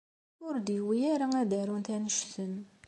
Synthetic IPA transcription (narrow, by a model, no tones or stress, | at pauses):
ʊɾd̪wijæɾaŋæd̪æɾunt̪ænəʃθən